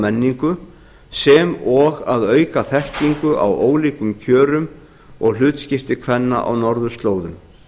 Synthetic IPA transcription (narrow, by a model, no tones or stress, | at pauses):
mɛnːiŋkʏ | sɛmɔɣaðœːɥkaθɛhciŋkʏʔa̰woːwliːkʏmcʰœːɾʏm | ɔɣl̥ʏːt̪scɪft̪ɪkʰvɛnːa̰ʔa̰wnɔɾðʏst̪loːwðʏm